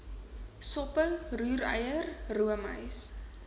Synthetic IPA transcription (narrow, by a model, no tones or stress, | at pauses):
sɔpəwruːɾə̰jərruəmə̰js